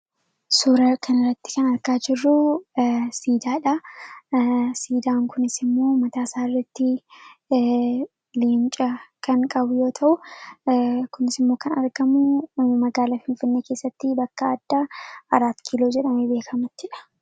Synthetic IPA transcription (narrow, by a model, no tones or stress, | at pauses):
suːɾɐkʰɐnɪrːɐt̪ːɪ̥kɐnɐɾkaːd͡ʒɪrːʊ | siːd̪aːᶑɐ | siːd̪aːŋkʊnɪsɪmːo̞ːmɐt̪aːsaːɪrːɐt̪ːɪ | leːnt͡ʃʼɐkɐŋkʼɐbʊjo̞ːt̪ʰɐʔʊ | kʊnɪsɪmːoːkɐnɐ̰ɾɡɐmʊmɐɡaːlafɪnfɪnːe̞ːke̞ːsːɐt̪ːɪbɐkːɐːd̪̥ːaːɐɾaːt̪kʰilo̞ːd͡ʒɛᶑɐmebeːkʰɐmɐt̪ːɪᶑɐ̥